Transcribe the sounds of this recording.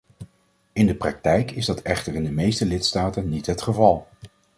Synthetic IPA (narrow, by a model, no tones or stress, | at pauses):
ɪndəprɑk̚tɛjkɪzdɑtʰɛχtəɹɪndəmejstəlɪtstaːtənnːitɦətχəvɑlˠ